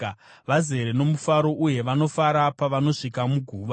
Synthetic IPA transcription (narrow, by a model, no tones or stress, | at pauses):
ʋaze̞ɾenomufaɾo̞ʔuje̞ʋano̞faɾapaʋano̞ʂikamuɡʱuːʋa